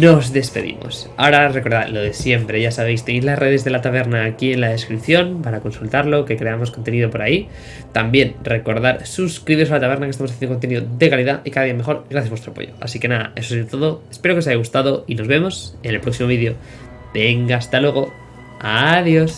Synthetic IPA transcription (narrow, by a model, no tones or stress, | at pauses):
no̞zðe̞spe̞ðḭmo̰s | a̰oɾare̞ko̞ɾða̰ɾlo̞ðe̞sje̞mpɾe̞ʝasaβe̞jst̪e̞nejzlasre̞ð̞e̞zðe̞lat̪aβ̞e̞ɾnaːkie̞nlaðe̞skɾipθjo̞npaɾako̞nsult̪aɾlo̞ke̞kɾe̞amo̞skont̪e̞niðo̞po̞ɾai | t̪ambje̞nre̞ko̞ɾðaɾsuskɾiβealat̪aβe̞ɾnakest̪ams̬aθenokont̪eniðoðe̞kaliðaikaðaðiame̞xo̞ɾɣɾaθjazβwe̞st̪ɾoapo̞̰ʝo̞̰a̰sike̞naða̰e̞sozðet̪o̞ðo̞espe̞ɾokes̬aʝaɣust̪aðo̞ino̞zβe̞mo̞se̞nelpɾo̞ksimoβiðjo̞ | b̥e̞ŋɡaːst̪alwe̞ɣ̞o̞ | aðjo̞s